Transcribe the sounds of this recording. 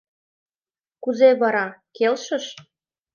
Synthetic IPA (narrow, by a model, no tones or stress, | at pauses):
kuzeβɑɾɑkelʃə̆ʃ